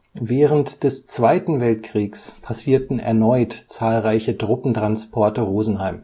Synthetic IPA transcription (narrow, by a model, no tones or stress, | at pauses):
vɛːʁəntd̥ɛst͡sv̥aɪtn̩vɛltkʁ̥iːkspʰasiːɐtn̩ɛ̰ɐnɔʏtt͡saːlʁaɪçədʁʊpn̩tʁ̥anspʰɔɐtəʁoːzn̩haɪm